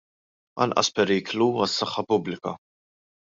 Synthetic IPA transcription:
ɐ̰nʔɐ̰spɛɾiːkluɐsːɐħːɐpʊblɪkɐ̰

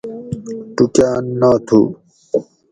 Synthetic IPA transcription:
ʈukjaːnːaːt̪ʰṵ

